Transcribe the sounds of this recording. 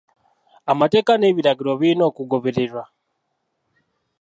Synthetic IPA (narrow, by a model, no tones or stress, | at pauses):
amate̞ːkaneβiɾaɡiɾo̞βino̞kuɡoβeɾeɾwa